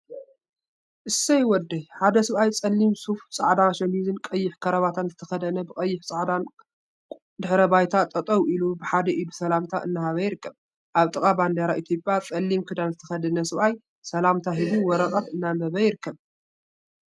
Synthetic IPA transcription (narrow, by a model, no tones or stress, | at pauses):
ʔɨsɐjwɔd̪ːɐjħad̪ɐsɨβajt͡sʼɐlːimsuft͡sʼa̰ʕd̪aʃɐnizɨnkʼɐjːɪħkʰɐɾɐβat̪ʰanzɨt̪ʰɐxɐd̪ɐnɐbɨkʼɐjːɪħt͡sʼaʕd̪an | d̪ɨħɾɐbajt̪ʰat̪ʼɐt̪ʼɐwʔilubɨħad̪ɐʔid̪usɐlamt̪ʰa̰ʔɨnːahaβɐjɪɾɨkːɐβ | ʔaβt̪ʼɨkʼaband̪ɐɾaʔit̪ʰjo̞pʼjat͡sʼɐlːimkʰɨd̪anzɨt̪ʰɐxɐd̪ɐnɐsɨβʔaj | sɐlamt̪ʰaɦibuwɔɾɐqʼɐt̪ɨnːamɐβɐjɪɾɨkʰːɐβ